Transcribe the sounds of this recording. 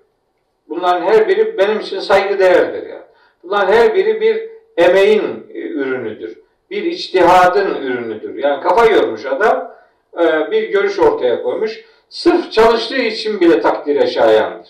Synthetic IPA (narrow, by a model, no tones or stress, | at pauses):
bunlˠaɾɯnɦæɾbiɾibe̞nimit͡ʃʰinsajɡɯd̪e̞jæɾd̪ḭɾja̰ːn | b̥unlˠaɾnhæɾbiɾibiɾ | e̞me̞jinyɾynyd̪yɾ̥ | biɾit͡ʃt̪ʰiɦaːd̪ɯnyɾynyd̪y̰ɾjaːnikʰafajoɾmuʃad̪amː | biɾɟø̞ɾyʃo̞ɾt̪ʰajakʰo̞jmuʃ | sɯɾft͡ʃʰalˠɯʃlˠɯːit͡ʃʰinbilʲɛt̪ʰakt̪ʰiɾaʃaːja̰nd̪ɯɾ̥